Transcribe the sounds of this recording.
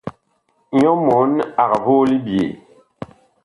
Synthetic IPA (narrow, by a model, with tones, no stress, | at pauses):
ɲɔ˦mɔ˨˦na˨ɣa˨bo˦li˦bjḛ˨